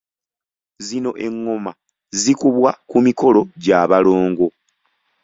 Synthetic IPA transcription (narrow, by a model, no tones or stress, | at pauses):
zino̞ʔe̞ŋːo̞ma | zikuβwakumiko̞lo̞ɟaːβalo̞ːŋɡo̞